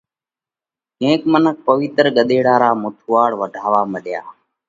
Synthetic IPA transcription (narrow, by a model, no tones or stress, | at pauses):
kẽːkmənək̚pəʋɪt̪ɾɡəɗ̪eːɽaːɾaːmʊt̪ʰuːaːɽʋəɖʱaːʋaːməɗja̰ː